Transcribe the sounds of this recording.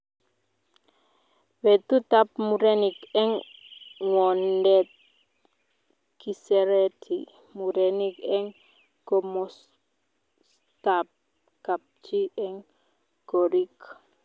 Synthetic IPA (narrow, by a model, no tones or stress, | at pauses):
wɛt̪ut̪apmuɾɛnikɛŋ | ŋwɔndɛt̪̚ | kisɛɾɛt̪ʰi | muɾɛnikɛŋ | kɔmɔs | t̪ap̚ | kap̚t͡ʃiɛŋ | ɡ̥ɔɾik